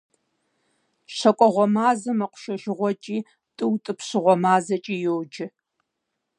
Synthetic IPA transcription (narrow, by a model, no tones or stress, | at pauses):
ɕɐkʷʼɔʁʷɔmaːzɐmɐqʷʊ̥ʃɐʒɪʁʷɔt͡ʃʼiː | tʼɨwtʼɨpɕɨʁʷɔmaːzɐt͡ʃʼiːjowd͡ʒɪ